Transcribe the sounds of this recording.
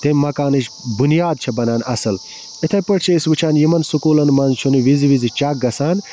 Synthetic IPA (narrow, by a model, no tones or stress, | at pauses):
t̪emʲmɐkaːnɨʃ | bunijaːd̪̚t͡ʃʰɐbɐnaːnɐ̰sɨl | it̪ʰɐpɐʈ̚t͡ʃʰiɐisʋɨt͡ʃʰaːnjimɐnsukuːlɐnmɐnt͡ʃʰunɨʋiziʋizit͡ʃɐk̚ɡɐsaːn